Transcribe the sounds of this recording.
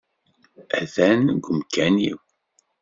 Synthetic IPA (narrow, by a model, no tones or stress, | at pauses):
æθænɡəmkænḭw